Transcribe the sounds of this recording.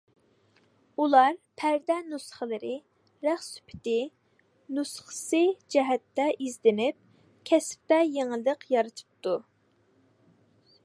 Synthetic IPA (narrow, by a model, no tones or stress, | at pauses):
ulˠɑɾpʰæɾd̪ɛnusχəlˠɨɾɨ | ɾæχsy̥pʰɪ̥t̪ɪ | nusχə̥sɨd͡ʒɛɦɛt̪ːɛʔizd̪ɪnɪp̚ | kʲʰɛsp̚t̪ɛjeŋəlˠːəqjɑɾɨt̪ʰɨ̥p̚t̪u